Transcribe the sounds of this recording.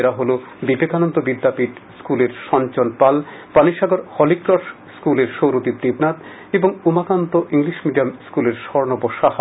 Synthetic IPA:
eɾaɦolo | bibekanɔnt̪obid̪ʱːapiʈskuleɾʃɔnt͡ɕonpalpaniʃaɡoɾhɔlikɾɔʃ | skuleɾʃowɾot̪id̪ibnat̪ | eboŋumakant̪oʔiŋliʃmiɖijamskuleɾʃɔɾnoboʃaɦ

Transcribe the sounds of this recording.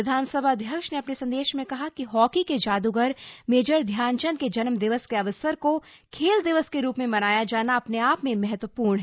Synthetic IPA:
ɪd̪ʱaːnsəbʱad̪ʱjɐkʃneɐpnesɐ̃nd̪eːʃmẽkɐɦakiɦɔːkiked͡ʒaːd̪uɡəɾmeːd͡ʒəɾd̪ʱjaːnt͡ʃənked͡ʒɐnmd̪ɪʋəskeɐʋəsəɾkokʰeːld̪ɪʋəskeɾuːpmẽmɐnaːjad͡ʒaːnaɐpneaːpmẽmɛɦɛt̪ʋəpuːɾɳɦɛː

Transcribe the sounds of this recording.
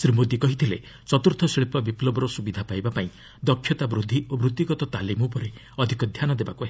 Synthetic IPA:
sɾimod̪ikɔɦit̪ʰile | t͡ʃɔt̪uɾt̪ʰɔsiɭipɔbiplɔbɔɾɔsubid̪ʱapajbapaĩ | d̪ɔkʰːjɔt̪abɾud̪ʱːiobɾut̪ːiɡɔt̪ɔt̪alimɔpɔɾe | ɔd̪ʱikɔd̪ʱjanɔd̪ebakuɦe

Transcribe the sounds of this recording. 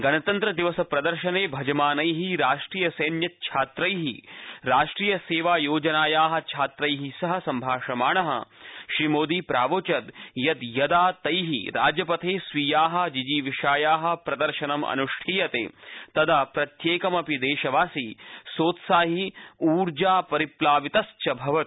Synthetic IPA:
ɡɐnɐt̪ɐnt̪ɾɐd̪iʋɐsɐpɾɐd̪ɐɾʃɐneːbʱɐd͡ʒɐmaːnɐjɦiɾaːʂʈɾiːjɐsɐjnjɐt̪̚t͡ʃʰaːt̪ɾɐjɦiɾaːʂʈɾiːjɐseːʋaːjoːd͡ʒɐnaːjaːɦɐ̆t͡ʃʰaːt̪ɾɐjɦisɐɦɐsɐmbʱaːʂɐmaːɳɐɦɐ̰ʃɾimoːd̪iːpɾaːʋoːt͡ʃɐd̪jɐd̪jɐd̪aːt̪ɐjɦḭɾaːd͡ʒjɐpɐt̪ʰeːsʋiːjaːɦɐ̆d͡ʒid͡ʒiːʋiʃaːjaːɦɐ̆pɾɐd̪ɐɾʃɐnɐmɐ̰nuʂʈʰiːjɐt̪ḛːt̪ɐd̪ɐpɾɐt̪jeːkɐmɐpid̪eːʃɐʋaːsisoːt̪saːɦiuːɾd͡ʒaːpɐɾiplaːʋit̪ɐst͡ʃɐbʱɐʋɐt̪

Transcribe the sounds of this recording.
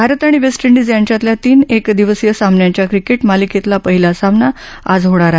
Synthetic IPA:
bʱaɾət̪aɽ̃iʋesʈiɳɖid͡zjaɲt͡ɕjat̪ljat̪iːnekd̪iʋəsjəsamnjaɲt͡ɕjakɾikeʈmaliket̪lapəɦilasamna | ad͡zɦoɽ̃aɾa

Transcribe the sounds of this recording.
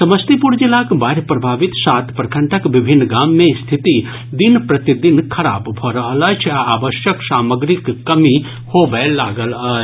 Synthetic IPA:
sɐməst̪ipuɾd͡ʒilaːkbaːɾjpɾɐbʱaːʋit̪saːt̪pɾɐkʰəɳʈʰəkʋɪbʱinːɡaːmːẽst̪ʰit̪i | d̪inpɾɐt̪id̪inkʰɐɽa̰ːbbʱɐɾɐɦələt͡ʃʰaaːʋəʃjəksaːməɡɾikːɐmi | hoːbəlaːɡəlɐt͡ʃ

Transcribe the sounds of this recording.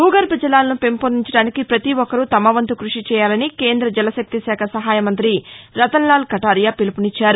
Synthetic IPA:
huːɡɐɾpɐd͡ʒɐlaːlɐnupe̞mpoːniɲt͡ʃɐɽaːnikipɾɐt̪iʋɔkːɐɾut̪ɐmɐʋɐnt̪ukɾuʂit͡ʃɛːjaːlɐnike̞ːnd̪ɾɐd͡ʒɛlɐsɐk̚t̪isaːkʰɐsɐɦaːjɐmɐnt̪ɾiɾɐt̪ɐnlaːlkɐʈaːɾjaːpilupunit͡ʃːaːɾu

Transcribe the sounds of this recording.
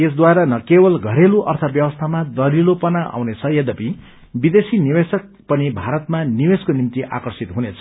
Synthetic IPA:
es̬d̪waeɾʌnʌkebʌlɡʱʌɾeluʔʌrt̪ʰʌbjʌbwʌst̪ʰamad̪ʌɾilopʌnaʔa̰wnet͡sʰʌjʌd̪ʌpi | bid̪esinibesʌk̚ | pʌnibʱaɾʌt̪manibeskonimt̪iʔa̰kʌrsit̪ɦunet͡sʰʌ

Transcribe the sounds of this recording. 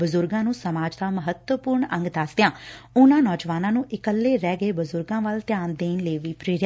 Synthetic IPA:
bəzʊɾɡãːnũːsəmaːd͡ʒd̪aːməɦət̪wəpʊɾɳə̃ŋɡd̪aːst̪jãːʊnãːnɔːd͡ʒʋaːnãːnũːʔɪkəlːeːɾɛːɡeːbəzʊɾɡãːʋəlt̪ɪjaːnd̪eːnləːʋiːpɾeːɾja

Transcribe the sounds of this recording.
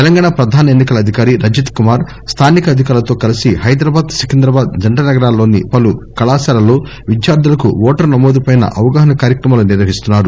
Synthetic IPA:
t̪ɛlɐŋɡaːɳapɾɐd̪ʱaːnɐenːikɐlɐd̪ʱikaːɾiɾɐd͡ʒit̪kumaːɾ | st̪ʰaːnikɐɐd̪ʱikaːɾlɐt̪o̞ːkɐlisihɐjd̪ɾɐbaːd̪sikind̪ɾɐbaːd̪d͡ʒɐɳʈɐnɐɡɐɾaːlːo̞ːnḭpɐlukɐlaːsaːɾɐlo̞ː | ʋid͡ʒjaːɾd̪ulɐkṵɔːʈɐɾnɐmoːd̪upɐːjnɐ̰ʔɐʋɐɡaːɦɐnɐkaːɾjɐkɾɐmaːluniɾʋɐɦist̪unːaːɾu

